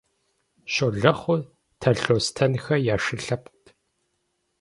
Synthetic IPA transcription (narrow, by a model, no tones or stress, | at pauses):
ʃoːɮɐχʷʊ | tʰɐɬoːstʰɐnxɐjaːʂɨɬɐp̚ʷʼtʰ